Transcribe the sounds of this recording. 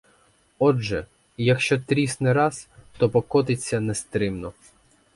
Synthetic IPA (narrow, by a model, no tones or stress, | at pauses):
ɔʒɛ | jɐkʃt͡ʃɔt̪ɾʲisnɛɾɑst̪ɔpɔkɔt̪ɪt͡sʲːɐnɛst̪ɾɪmnɔ